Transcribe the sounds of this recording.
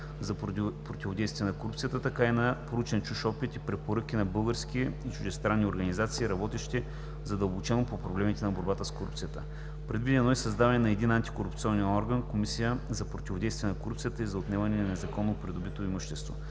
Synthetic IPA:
zɐpɾot̪ʲivod̪ɛjst̪vijɛnɐkoɾupt̪sijət̪ət̪ɐkainɐpoɾut͡ʃɛnt͡ʃuʃɔpit̪ipɾɛpoɾɤkʲinɐbɤlˠɡəɾskiit͡ʃʊʒd̪ɛst̪ɾanːioɾɡɐnizat̪siːɾɐbɔt̪ɛʃt̪ɛ | zɐd̪əlˠbot͡ʃɛnopopɾɐvlɛmit̪ɛnɐboɾbat̪əskoɾup̚t̪sijət̪ə̰ | pɾɛd̪vid̪ʲɛnɔisɐzd̪avɐnɛnɐɛd̪inant̪i̥koɾupt̪siɔnːɛɔɾɡɐnkomisijəzɐpɾot̪ʲivod̪ɛjst̪vʲijɛnɐkoɾupt̪sijət̪əizɐot̪nɛvɐnɛnɐnɛzɐkɔnːopɾid̪obit̪oimuʃt̪ɛst̪vo̰

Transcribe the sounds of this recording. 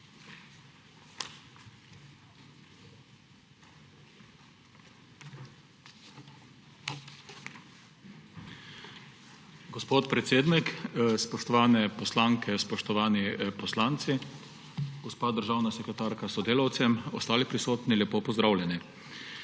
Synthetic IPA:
ɡɔspoːt̪pɾɛt̪seːd̪nikspɔʃt̪ɔʋaːnɛpɔslaːŋkɛspɔʃt̪ɔʋaːnipɔslaːnt̪si | ɡɔspaːd̪əɾʒaːwnasɛkɾɛt̪aːɾkasɔd̪eːlawt̪sɛmɔst̪aːlipɾisoːt̪niljɛpoːpɔzd̪ɾawlʲjɛni

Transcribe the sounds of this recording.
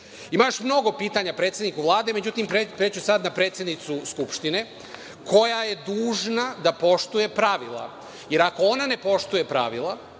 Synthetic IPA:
imaʃmno̞ɡo̞piːt̪aɲapɾet̪sʲjed̪nikuʋlˠaːd̪e̞me̞d͡ʑut̪imepɾeːt͡ɕusad̪napɾe̞t̪sje̞d̪nit̪suskupʃt̪ine̞ | kʰo̞jaje̞d̪uːʒnad̪apo̞ʃt̪uje̞pɾaʋilˠa̰ | je̞ɾako̞onane̞po̞ʃt̪uje̞pɾa̰ʋilˠa

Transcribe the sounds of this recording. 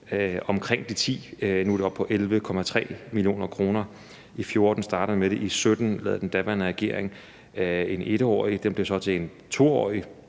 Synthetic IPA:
ɒ̽mkʰʁeŋ̰d̥it͡sʰḭːnud̥eɒ̽b̥pʰɒ̽ʔelʋəkʰɒ̽mæt͡sʰʁɛ̰ːmilio̝̰ːnɐkʰʁo̝ːnɐ | ʔifjo̝ɐd̥n̩sd̥ɑ̈ːɾ̥əð̩ˠmeɾ̥e̝ʔisød̥n̩lɛ̰ːð̩ˠd̥end̥æʋænəʁɛɡ̥e̝ɐ̰e̝ŋ | e̝ne̝ɾ̥əɒ̰ːid̥emb̥le̝sɒ̽t͡sʰe̝en | t͡sʰo̝̰ːɒ̰ːi

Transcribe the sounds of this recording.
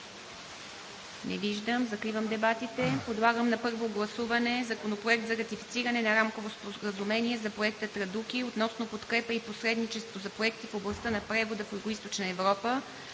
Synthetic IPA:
nɛ̰viʒd̪əmzɐkɾivəmd̪ɛbat̪it̪ɛpod̪lˠaɡəmnɐpɤɾvoɡlˠɐsuvɐnɛzɐkonopɾoɛk̚t̪zɐɾɐt̪ifi̥t̪siɾɐnɛnɐɾamkovospoɾəzumɛniɛzɐpɾoɛk̚t̪ət̪ɾɐd̪ukiot̪nɔsnopot̪kɾɛpəiposɾɛd̪nit͡ʃɛst̪vozɐpɾoɛk̚t̪ifoblˠɐst̪ənɐpɾɛvod̪əfjuɡoist̪ot͡ʃnəɛvɾɔpə

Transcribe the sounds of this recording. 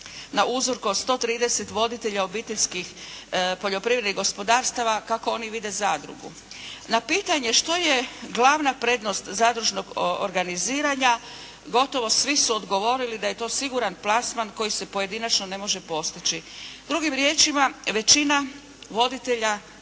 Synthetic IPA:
naʔuzo̞ɾkuost̪o̞t̪ɾiːd̪e̞se̞t̪ʋo̞d̪it̪e̞ʎao̞biːt̪e̞ʎskixpo̞ʎo̞pɾiʋɾed̪niɣɡo̞spo̞d̪aːɾst̪aʋakako̞o̞niʋid̪e̞zaːd̪ɾṵɡṵ | napiːt̪aɲe̞ʃt̪o̞je̞ɡlaʋnapɾe̞d̪no̞st̪zaːd̪ɾuʒno̞ɡo̰ɾɡaniziːɾaɲa | ɡo̞t̪o̞ʋo̞sʋisuod̪ɡo̞ʋo̞ɾilid̪aje̞t̪o̞ːsiɡuɾanplasmanko̞jise̞po̞je̞d̪inat͡ʃno̞ne̞mo̞ʒe̞po̞st̪it͡ʃid̪ɾuɡimɾje̞ːt͡ʃimaʋe̞t͡ʃina | ʋo̞d̪it̪e̞ʎa

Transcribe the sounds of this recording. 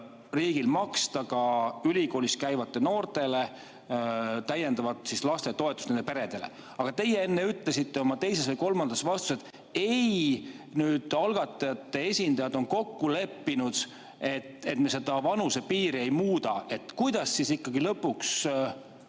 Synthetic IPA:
riːɡilmɑkst̪ɑɡɑylʲiko̞ːlʲiskæjvɑt̪ˑːe̞no̞ːrt̪e̞le̞ | t̪æje̞nd̪ɑvɑt̪sislɑst̪et̪o̞e̞t̪ust̪nend̪e̞pe̞ɾe̞d̪̥e̞le̞̰ | ɑɡ̥ɑt̪e̞jee̞nːe̞yt̪ːˑlesit̪ːe̞o̞mɑt̪e̞jse̞svɤjko̞lmɑnd̪̥ɑsvɑst̪u̥set̪ | e̞j | nyːd̪̥ɑlɡ̥ɑt̪ːˑɑjɑt̪ːe̞e̞sʲind̪̥ɑjɑd̪o̞nko̞kːule̞pːinud̪̥ | e̞t̪e̞t̪mese̞d̪̥ɑvɑnusepiːɾie̞jmuːd̪ɑe̞t̪ːˑkujd̪̥ɑsːisikːɑɡilɤpːuks

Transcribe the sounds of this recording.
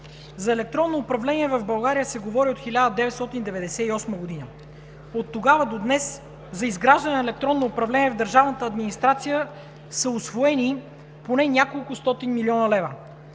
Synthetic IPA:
zɐɛlɛk̚t̪ɾɔnːoːpɾɐvlɛnʲiɛvəvbɐlˠɡaɾijəsɛɡovɔɾiot̪xilʲad̪əd̪ɛvɛt̪st̪ɔt̪ind̪ɛvɛd̪ɛsɛiɔsməɡod̪inə | ot̪ːoɡavəd̪od̪nɛs | zɐizɡɾaʒd̪ɐnɛnɛlɛk̚t̪ɾɔnːoːpɾɐvlɛniɛvd̪əɾʒavnət̪əːd̪minist̪ɾat̪sijə | səʊsvoɛni | ponɛnʲakolˠkʊst̪ɔt̪inmiliɔnəlɛvə

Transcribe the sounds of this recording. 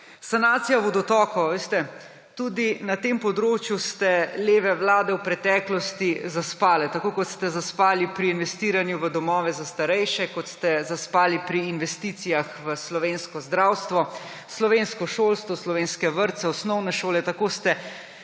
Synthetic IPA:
sanaːt̪sijabɔd̪ɔt̪ɔːkɔaʋeːst̪ɛ | t̪ud̪inat̪empɔd̪ɾoːt͡ʃjust̪ɛleːʋɛʋlaːd̪ɛwpɾɛt̪ɛːklɔst̪izaspaːlɛt̪akoːkɔt̪st̪ɛzaspaːlipɾiːnʋɛst̪iːɾanjuʋəd̪ɔmɔːʋɛzast̪aɾɛjʃɛkɔt̪st̪ɛzaspaːlipɾiːnʋɛst̪iːt̪sijaxʋəslɔʋeːnskɔzd̪ɾawst̪ʋɔ | slɔʋeːnskɔʃoːlst̪ʋɔslɔʋeːnskɛʋəɾt̪sɛɔsnɔwnɛʃoːlɛt̪akost̪ɛ

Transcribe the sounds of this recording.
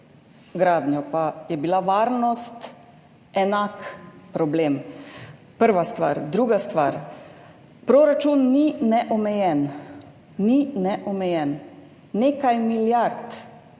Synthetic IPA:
ɡɾaːd̪njɔpajɛbilaʋaːɾnɔst̪ | ɛnakpɾɔbleːm | pəɾʋast̪ʋa̰ːɾd̪ɾuːɡast̪ʋa̰ːɾ | pɾoɾat͡ʃunːinɛʔɔmɛjɛn | ninɛʔɔmɛjɛnː | ekajmiljaɾt̪

